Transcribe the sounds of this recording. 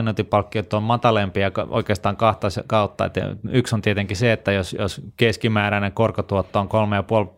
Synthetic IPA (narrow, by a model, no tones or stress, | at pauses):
noˑnt̪ipɑlkːiot̪ːˑommɑt̪ɑlempiɑkɑʔo̰ikeːst̪ɑːŋkɑht̪ɑsekɑut̪ːɑ̰ḛt̪yksont̪iet̪eŋkiseet̪ːæjosjo̰skeskimæːɾæneŋkorkot̪uot̪ːooŋkolmejɑpuol